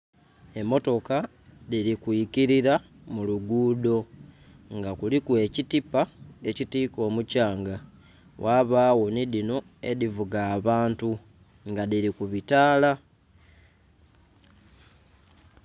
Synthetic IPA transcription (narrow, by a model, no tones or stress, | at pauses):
e̞mo̞to̞ka | ðilikuikiɾiɾa | muluɡuːdo̞ | ŋɡakulikue̞citipae̞citiːko̞ːmucaːŋɡa | wʔaβaːwo̞niðino̞ | e̞̰ðivuɡaːβaːntu | ŋɡaðilikuβitaːla